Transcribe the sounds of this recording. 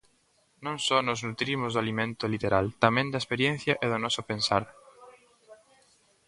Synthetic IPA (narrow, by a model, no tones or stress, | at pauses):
nõŋsɔnʊznut̪ɾimʊzðʊalimẽnt̪ʊlit̪eɾalt̪amẽnd̪aespeɾjẽn̟θjɐʔɛðʊnɔsʊpẽnsaɾ